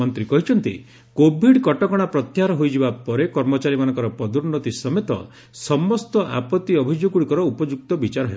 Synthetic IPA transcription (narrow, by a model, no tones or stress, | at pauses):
ɔnt̪ɾikɔɦit͡ʃʰɔnt̪i | kobʱiɖkɔʈɔkɔɽ̃apɾɔt̪jaɾɔɦojd͡ʒibapɔɾekɔɾmɔt͡ʃaɾimanɔŋkɔɾɔpɾɔd̪uɾnɔt̪isɔmet̪ɔ̰ | sɔmɔst̪ɔʔa̰pɔt̪ːiɔbʱid͡ʒoɡuɽikɔɾɔupɔd͡ʒuk̚t̪ɔbit͡ʃaɾɔɦe